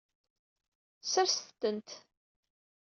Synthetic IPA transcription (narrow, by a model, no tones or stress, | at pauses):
səɾsθt̪ːənt̪